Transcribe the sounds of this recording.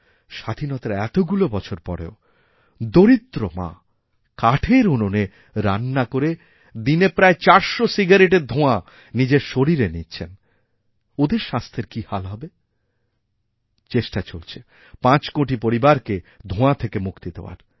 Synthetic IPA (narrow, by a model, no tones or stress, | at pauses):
ʃad̪ʱinɔt̪aɾɛt̪oɡulobɔt͡ɕʰoɾpɔɾḛo | d̪oɾit̪ːɾomã̰ | kaʈʰeɾunone | ɾa̰nːakoɾe | d̪inepɾaet͡ɕaɾʃosiɡaɾeʈeɾd̪ʱõa | nid͡ʑeɾʃoɾiɾenitːt͡ɕʰen | od̪eɾʃast̪ʰeɾkihalɦɔbe | t͡ɕeʃʈat͡ɕolt͡ɕʰe | pãt͡ɕkoʈipoɾibaɾked̪ʱõat̪ʰekemukt̪id̪eoa̰ɾ